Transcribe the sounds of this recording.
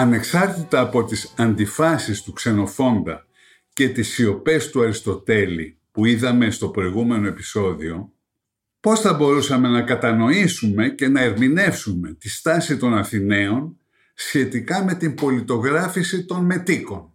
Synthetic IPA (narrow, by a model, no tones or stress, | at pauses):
ɐne̞ksɐɾt̪it̪ɐːpo̞t̪isɐnd̪ifɐsist̪ukse̞no̞fo̞nd̪ɐ̰ | ce̞t̪isio̞pe̞st̪uɐɾist̪o̞t̪e̞lḭ | puiðɐme̞st̪o̞pɾo̞iɣume̞no̞e̞pi̥so̞ðio̞ | po̞sθɐbo̞ɾusɐme̞nɐkɐt̪ɐno̞isume̞ce̞nɐe̞ɾmine̞fsume̞t̪ist̪ɐsit̪o̞nɐθine̞o̞n | sçe̞t̪ikɐme̞t̪imbo̞lit̪o̞ɣɾɐfisit̪o̞nme̞t̪iko̞n